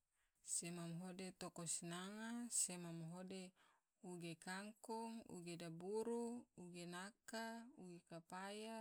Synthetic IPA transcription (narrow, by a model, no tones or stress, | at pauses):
semamɦodet̪okosinaŋasemamɦode | uɡekaŋkɔŋṵɡedabuɾuuɡenakauɡekapaja